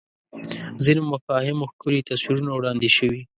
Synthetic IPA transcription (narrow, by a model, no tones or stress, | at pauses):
zinomafɑhɪmoxkəɾit̪aswiɾunawɽɑnd̪ɪʃəwi